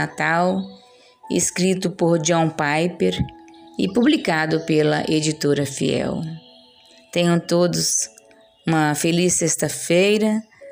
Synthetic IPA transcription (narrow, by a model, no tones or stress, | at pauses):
at̪aw | ɪ̰skɾit̪ʊpoɾd͡ʒõpajpeɾɪpublikad̪ʊpelɐ̰ʔed͡ʒit̪oɾɐfḭɛ̰w | t̪ẽjõw̃t̪od̪ʊs | ũmɐfelisest̪ɐfejɾɐ